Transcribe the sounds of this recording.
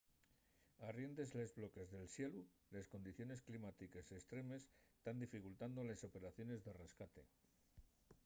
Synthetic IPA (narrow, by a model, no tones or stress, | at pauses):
arje̞nd̪e̞zle̞zβlo̞ke̞zðe̞lsje̞lu | le̞sko̞nd̪iθjo̞ne̞sklimat̪ikese̞st̪ɾe̞me̞st̪and̪ifikult̪and̪o̞le̞so̞pe̞ɾaθjo̞ne̞zðere̞skat̪e̞̰